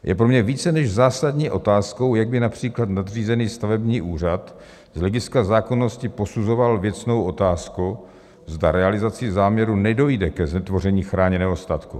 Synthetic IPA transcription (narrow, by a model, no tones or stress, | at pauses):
jʔɛ̰pɾo̞mɲɛviːt͡sɛnɛʒzaːsadɲiːʔo̞t̪aːsko̞wjaɡ̚bɪnapr̝̥iːklat̪nad̪r̝iːzɛniːst̪avɛbɲiːʔuːr̝at̪ | zlɛɡɪskazaːko̞no̞scɪpo̞suzo̞valvjɛt͡sno̞wʔo̞t̪aːsku | zdaɾɛalɪzat͡sɪzaːmɲɛɾunɛdo̞jdɛkɛznɛt̪vo̞r̝ɛɲiːxɾaːɲɛnɛːɦo̞st̪at̪kṵ